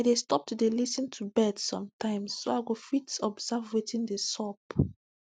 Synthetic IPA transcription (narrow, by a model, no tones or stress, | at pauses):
aɪdestɔp̚tdelisĩntʰubɛdsɔ̰̃mtʰãɪ̃msːoaɪɡofitɔbz̥avwetĩndəsɔp